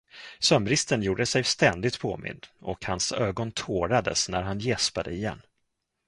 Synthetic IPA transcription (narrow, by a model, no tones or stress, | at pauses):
sœmɾɪst̪ənjuːɖəsɛjst̪ɛnd̪ɪt̪pʰoːmɪ̰nd̪ɔkhansøːɡɔnt̪ʰoːɾad̪ə̰snæɾɦanjɛspad̪əɪjɛ̰nː